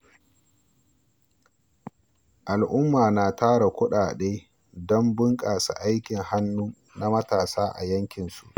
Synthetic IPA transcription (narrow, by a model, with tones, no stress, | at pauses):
ʔa˨lʔʊ˦mːaː˨naː˨taː˦ɽa˨kʷʊ˦ɗaː˨ɗeː˦ | dɔ˦mbɪ˦ŋkʼaː˨sa̰˨ʔa˦jkʲɪ˨ŋha˦nːuː˦ | na˦mɐ˦taː˨saː˦ʔa̰˨jɐ˦ŋkʲɪ˨nsu˨ʔ